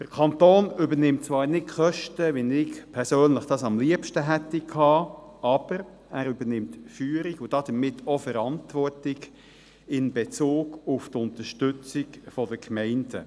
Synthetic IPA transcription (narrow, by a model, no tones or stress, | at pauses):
d̥əɾkʰɑnt̪oːnʏbənɪmt̚t͡sʋɑːɾnɪtχœʃtəʋɪnɪkpʰɛɾsøːnləχd̥ɑːsɑmliəpʃtəɦɛtikʰɑːɑb̥əɾ | æːɾʏbənɪmtfyːɾiɡʊd̥ɑd̥̪əmɪtʰːɔfəɾɑntʋɔɹtɪɡ | ɪnbet͡soːɡʊftʊnt̪əʃtʏt͡sɪɡfɔdəkmɛɪndə̰